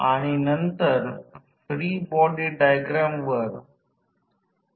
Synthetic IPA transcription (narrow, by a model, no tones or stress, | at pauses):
aɽ̃inənt̪əɾ | fɾiːbɔɖiɖajɡɾamʋəɾ